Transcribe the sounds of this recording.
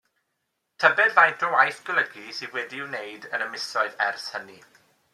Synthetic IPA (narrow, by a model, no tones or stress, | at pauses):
tʰəbɛdlajndʰɔwajθɡ̥ələɡisiwɛdiɪwnejdənəmɪsɔɨðɛrθhəni